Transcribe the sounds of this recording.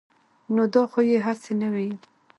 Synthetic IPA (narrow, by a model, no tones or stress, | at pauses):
nod̪ɑxojeɦasenawi